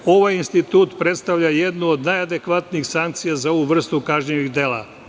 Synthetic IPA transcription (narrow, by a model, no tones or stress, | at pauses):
o̞ʋajinst̪it̪uːt̪pɾe̞t̪st̪aʋʎajed̪nuod̪najad̪e̞kʋat̪nixsaŋk̚t̪sijazao̞ʋuʋr̩st̪ukaʒɲeʋiɣd̪e̞ːlˠa̰